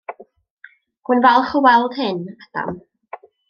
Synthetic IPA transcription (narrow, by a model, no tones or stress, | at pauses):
hʊnvɛlˠχʊwɛlˠd̥hɪnad̥a̰m